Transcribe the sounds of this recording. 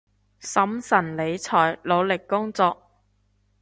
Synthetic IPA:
sɐ˨˥msɐ˨˩nle˨˧jt͡sʰɔː˨˩jlo˨˧wlɪ˨kːʊ˥ŋt͡sɔː˧k̚

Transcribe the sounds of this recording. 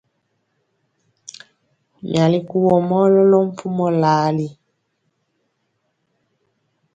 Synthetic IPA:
mja˨li˦ku˦wɔ˨mɔ˦lɔ˦lɔ˦m̩˦pʰu˦mɔ˦laː˨˦li˦

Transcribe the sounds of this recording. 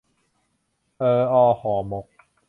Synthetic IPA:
ʔɤː˧ʔɔː˧hɔː˩˦mo˨˩˦k̚

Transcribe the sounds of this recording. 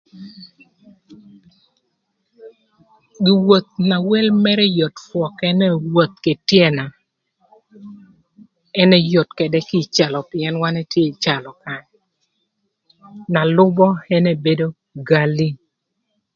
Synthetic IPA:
ɡɪ˨wo˨t̪̚na˨wɛ˦lmɛ˦ɾɛ˦jo˨tfwɔ˨kɛ˦nɛ˦wo˨t̪̚ke˨tjɛ˦na˨ | ɛ˦nɛ˦jo˨tkɛ˨dɛ˦ki˦t͡ʃa˨lɔ˨pɪɛ˦nwa˦nɛ˦tje˦˨t͡ʃa˨lɔ˨ka˨ɲ | na˨lʊ˦bɔ˦ɛ˦nɛ˦be˦do˦ | ɡa˦li˦

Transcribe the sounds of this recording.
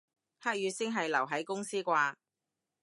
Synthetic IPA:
haː˥k̚jyː˨˧sɪ˥ŋɦɐ˨jlɐ˨˩wɦɐ˨˥jkʊ˥ŋsiː˥kʷaː˧

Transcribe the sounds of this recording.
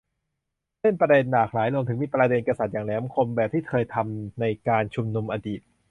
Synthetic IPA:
le˥˩npɾaː˧de˧nːaː˨˩k̚laː˩˦jlo˧ŋt̪ʰɯ˩˦miː˧˩pɾa˧de˧nka˧sa˨˩t̪̚jaː˨˩ŋlɛ˨˦˥kʰo˧mbɛː˨˩p̚t̪ʰiː˥˩t̪ʰɤː˧jt̪ʰa˧mna˧jkaː˧nt͡ɕʰu˧mnu˧mʔaː˧diː˨˩t̪̚

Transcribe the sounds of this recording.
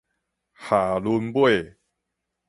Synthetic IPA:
haː˨˩lu˧nbwe˥˨

